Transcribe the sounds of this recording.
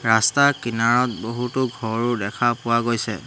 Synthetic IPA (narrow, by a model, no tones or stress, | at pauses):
ɹastakinaɹɔt̚boɦutʊɡʱɔɹʊdɛkʰapʊwaɡojsɛ̰